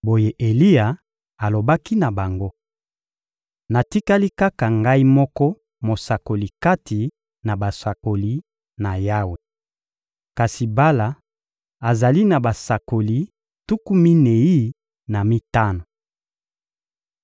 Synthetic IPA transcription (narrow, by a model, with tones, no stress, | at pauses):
bo˨je˨ʔe˨li˦ja˨ | a˨lo˨ba˦ki˦na˨ba˨ŋɡo˦ | na˨ti˦ka˦li˦ka˦ka˨ŋɡa˦i˦mɔ˦kɔ˦ | mo˨sa˨ko˨li˨ka˦ti˨ | na˨ba˨sa˨ko˨li˦ | na˨ja˦we˨ | ka˨si˨ba˦la˨ | a˨za˨li˦na˨ba˨sa˨ko˨li˨ | tu˦ku˦mi˦ne˨ji˦ | na˨mi˦ta˦no˨